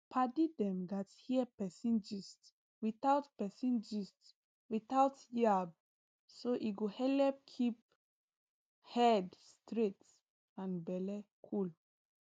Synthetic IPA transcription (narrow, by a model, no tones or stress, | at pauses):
pʰadidɛ̃mɡathiəpɛsĩnd͡ʒist | wiθaʊtpɛsĩnd͡ʒist | wiθawtjab̚ | soʔiɡohɛlɛp̚kʰip̚ | hɛdstɹet | ãnbɛlɛ | kʰul